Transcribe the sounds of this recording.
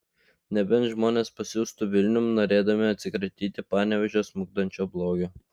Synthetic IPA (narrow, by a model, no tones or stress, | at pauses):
nʲɛbʲɛnʒmoːnʲeːspɐsʲjuːst̪ʊʋʲɪlʲnʲʊmnoːɾʲeːd̪ɐmʲɪɐt̪ʲsʲɪkɾɐt̪ʲiːt̪ʲɪpɑːnʲɛʋʲɛʒʲoːsmʊɡd̪ɐnʲt͡ʃʲoːblˠoːɡʲo